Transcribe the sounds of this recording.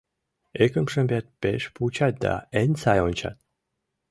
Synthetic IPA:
ekə̆mʃə̆mbʲat̪̚pḛʃput͡ɕɑt̪̚d̪a̰enʲsɑjonʲt͡ɕɑ̰t̪̚

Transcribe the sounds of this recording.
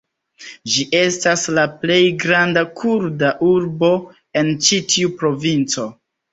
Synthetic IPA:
d͡ʒiʔe̞staslaple̞jɡɾandakʰuɾdaʔuɾbo̞ | e̞nt͡ʃitiupɾo̞vint͡so̞

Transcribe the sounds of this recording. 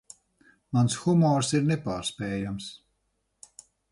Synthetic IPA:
mansxumɔːɾsiɾnepaːɾspɛːjams

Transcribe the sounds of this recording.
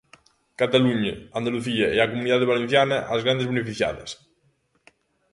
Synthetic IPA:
kat̪aluɲeand̪aluθiaeakomuniðaðeβ̞alẽn̟θjanɐʔazɣɾand̪ezβenefiθja̰ðɐ̰s

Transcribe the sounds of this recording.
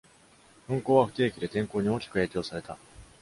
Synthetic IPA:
ɸɯ̟̃ŋko̞ːβaɸɯ̟̥t̪e̞ːkʲid̪e̞t̪ẽ̞ŋko̞ːɲ̟io̞ːkʲi̥kɯ̟e̞ːkʲo̞ːsaɾe̞t̪a

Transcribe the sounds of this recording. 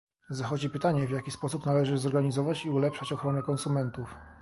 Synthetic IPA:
zaxɔd͡ʑipɘt̪aɲɛvjakʲispɔsupnalɛʐɘzɔɾɡaɲizɔvat͡ɕiulɛpʂat͡ɕɔxɾɔnɛkɔnsumɛnt̪uf

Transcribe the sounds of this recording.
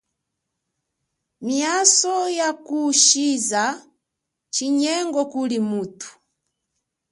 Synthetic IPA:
miasɔjakuʃiza | t͡ʃiɲɛŋɡɔkulimutu̥

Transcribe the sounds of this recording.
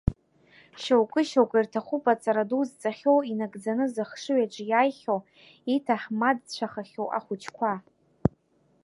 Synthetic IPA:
ʃowkʼɨʃowkʷʼirtʰaχʷupʼat͡sʼaɾaduzt͡sʼaχʲowinaɡd͡zanɨzɨχʂɨɥaʈ͡ʂʼjajχʲow | itʰaħmadt͡ɕʷʰaχaχʲowʔa̰χʷut͡ʃʰkʷʰa

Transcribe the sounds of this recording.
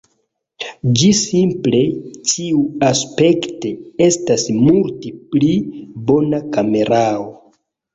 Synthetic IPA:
d͡ʒisimple̞tiuaspe̞kte̞e̞stasmulteplibo̞nakame̞ɾao

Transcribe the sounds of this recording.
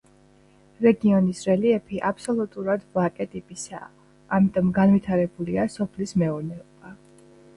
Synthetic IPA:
ɾɛɡiɔnisɾɛliɛpʰiʔapʰsɔlˠut̪ʼuɾad̪vlakʼɛt̪ʼipʼisa̰ː | mit̪ʼɔmɡanvit̪ʰaɾɛbuliasɔpʰlismɛɔɾnɛɔb̥a

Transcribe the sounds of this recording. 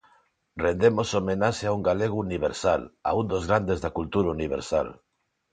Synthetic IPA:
rend̪emosomenaʃeauŋɡaleɣ̞uuniβ̞ḛɾsala̰und̪ozɣɾand̪ezðakult̪uɾauniβ̞ḛɾsa̰l

